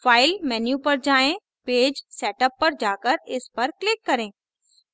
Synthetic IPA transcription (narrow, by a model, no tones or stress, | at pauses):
faːɪlmɛːnjupɐɾd͡ʒaːẽ | peːd͡ʒsɛːʈəpːɐɾd͡ʒaːkəɾɪspɐɾklɪkːɐɾẽː